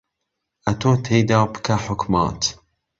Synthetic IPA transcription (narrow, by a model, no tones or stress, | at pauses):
ʔɐt̪ʰoːt̪ʰejd̪ɑːbɨ̥kʰaħʊkmɑ̰ːt̪